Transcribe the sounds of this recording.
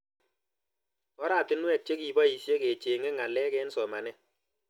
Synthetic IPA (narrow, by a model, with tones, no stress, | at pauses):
ɔ˦ɾa˨tɪ˦nwɛ˨t͡ʃe˦ki˨bɔ˦i˨sje˦ke˨t͡ʃe˨ŋe˦ŋa˨lɛ˦kɛ˦nsɔ˨ma˨nɛ˦